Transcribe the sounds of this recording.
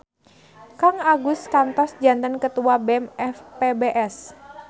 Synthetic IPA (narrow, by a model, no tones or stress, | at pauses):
kaŋaɡuskant̪ɔsd͡ʒant̪ənkət̪uabɛmɛfpebeʔɛs